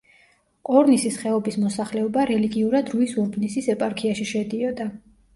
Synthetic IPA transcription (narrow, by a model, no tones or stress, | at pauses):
qʼɔɾnisisχɛɔbismɔsaχlɛɔbaɾɛliɡiuɾad̪ɾuisuɾbnisisɛpʼaɾkʰiaʃiʃɛd̪iɔd̪a